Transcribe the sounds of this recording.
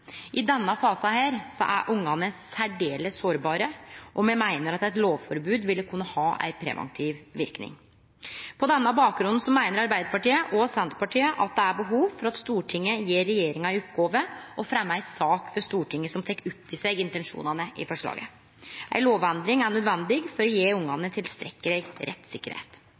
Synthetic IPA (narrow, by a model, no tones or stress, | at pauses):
ʔɪd̪ɛnːɑfɑːsɑhæːɾsɔ̰ʔæ̰ʔʊŋːɑnəsæɖeːləsoːɾbɑːɾəʔɔmɛmæɪnəɾɑt̪æɪt̪loːʋfɔɾbʉːd̪ʋɪlːəkʰʉnːəhɑːʔæ̰ɪpʰɾɛ̰ʋɑ̰nt̪ʰiʋʋɪɾknɪ̰ŋ | pʰɔd̪ɛnːɑbɑːk̚ɡɾʉnn̩sɔmæɪnəɾɑɾbæɪd̪əɾpɑʈiːəʔɔsɛnt̪əpɑʈiːəʔɑt̪̚d̪ɛæɾbəɦuːʋfɔɾɑt̪st̪uːʈʰɪŋːəjeːɾɛjeːɾɪŋɑɪɔpɡoːʋəʔɔfɾɛmːəæɪsɑːkfɔɾʂt̪uːʈʰɪŋːəsɔmt̪ʰɛkːʉpːɪsæɪɡɪnt̪ɛnʂṵːnɑnəʔɪ̰fɔʂɭɑ̰ːɡə̰ | ʔæ̰ɪloːʋɛnd̪ɾɪŋæɳœd̪ʋɛnd̪ɪɡfɔɾɔjeːʊŋːɑnət̪ʰɪlst̪ɾɛkːəɾɛɪɡɾʔɛ̰t̪ːsɪkːəɾhḛt̪